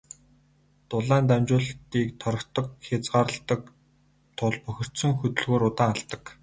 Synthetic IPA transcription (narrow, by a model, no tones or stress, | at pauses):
t̪ʊɮaːnt̪æmt͡ɕʊːɮt̪iːk̚t̪ʰɔɾɞ̆kt̪ə̆kxʲat͡sɢaːɾə̆ɬt̪ə̆k̚ | t̪ʰʊɮpɵxʲɪ̆r̥tsɵ̆ŋxɵt̪ɵ̆ɮɣoːɾʊt̪aːŋaɮt̪ə̆k